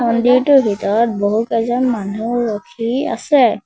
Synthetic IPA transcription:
mɔndiɹtʊɦitɔɹɔt̚boɦutɛzɔnmanuːɔkʰia̰sɛ

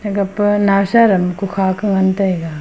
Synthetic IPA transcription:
ɡɐpnasaɾɐmkukʰakɯŋɐntɐjɡa

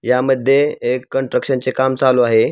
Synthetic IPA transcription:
jaməd̪ʱjeːkːəɳʈɾəkɕənt͡sekamt͡saloaɦe

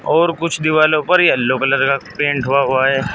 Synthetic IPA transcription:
ɔːɾkʊt͡ʃʰd̪ɪʋaːlõpɐɾlːokələɾkapẽːɳʈɦʊaɦʊaɦɛː

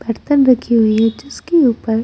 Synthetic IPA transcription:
bʱɐɾt̪ənɾɐkʰiɦʊiɦɛd͡ʒɪskeuːpəɾ

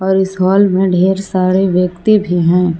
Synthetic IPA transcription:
ɔːɾɪsɦɔːlmẽɖʱeːɾsaːɾeʋjək̚t̪ibʱiɦɛ̃ː

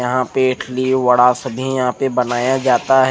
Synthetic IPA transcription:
jɐɦãpeɪʈʰliʋɐɽasɐbʱijɐɦãpebɐnaːjad͡ʒaːt̪aɦɛ

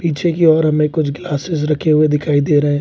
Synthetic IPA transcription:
piːt͡ʃʰekiɔːɾɦɐmẽkʊt͡ʃʰɡlaːsɪs̬ɾɐkʰːeɦʊed̪ɪkʰaːid̪eːɾɐɦɛ̃ː

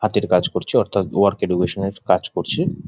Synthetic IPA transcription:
hat̪iɾkad͡ʑkoɾt͡ɕʰiɔɾt̪ʰat̪oaɾkeɖukeʃoneɾkad͡ʑkoɾt͡ɕʰi

